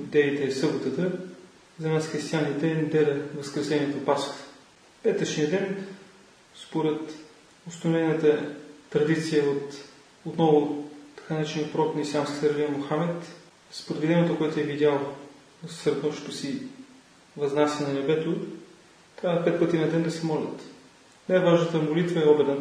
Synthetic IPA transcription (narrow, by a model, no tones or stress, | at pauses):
d̪ɛit̪ɛːsɤbot̪ət̪ə | zɐnasxɾist̪ijanit̪ɛd̪ɛɾəvəskɾɛsɛniɛt̪opast̪ | pɛt̪ət͡ʃnijəd̪ɛn | spoɾɛt̪ | ʊst̪ɐnʊvɛnət̪əːɾɐd̪it̪sijəot̪ | ot̪nɔvʊt̪ɐ̥kanat͡ʃniəpɾɔknɐisʲamskʲi̥səɾlimoxamɛt̪ | spoɾɛd̪vid̪ɛnɛt̪okoɛt̪ʊɛvid̪ʲalˠ | nɐssɾɐt̪nɔʃt̪osi | vɐznasʲjənɐnɛbɛt̪o | t̪ɾavət̪pɛt̪̚pət̪inɐd̪ɛnd̪ɐsɛmɔlʲɐ̰t̪ | najvaʒnət̪əmolit̪vəɛɔbɛd̪ɛ